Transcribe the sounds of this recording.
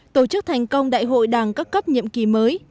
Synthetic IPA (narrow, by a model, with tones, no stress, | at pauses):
t̪o˧˩t͡ɕɨ˦˥k̚t̪ʰa˨˩jŋ̟kə˧wŋ͡mɗa̰ː˧˨jɦo̰˧˨jɗaː˨˩ŋkaː˦˥kːə˦˥p̚ɲḭ˧˨əmki˨˩məː˨˦j